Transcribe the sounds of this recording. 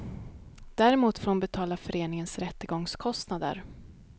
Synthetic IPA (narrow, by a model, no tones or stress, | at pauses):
d̪̥æɾɛmuːt̪foːmbɛt̪ʰɑːlafœɾeːnɪŋənsɾɛt̪ːəɡɔŋskʰɔst̪nad̪ə̰ɾ